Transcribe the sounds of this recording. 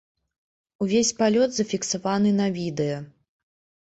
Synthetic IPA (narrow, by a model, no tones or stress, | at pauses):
uvʲesʲpalʲɔd̪zɐfʲiksavanɨnɐvʲid̪ɛjɐ